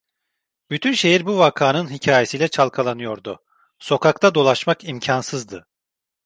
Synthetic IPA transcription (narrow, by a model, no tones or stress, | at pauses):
b̥yt̪ʰynʃe̞jiɾbuvakʰaːnɯnɦicʰaːjesijlʲɛt͡ʃʰalˠkʰalˠanɯjo̞ɾd̪ʊ | so̞kʰakt̪ʰad̪o̞lˠaʃmakimcʰansɯzd̪ɯ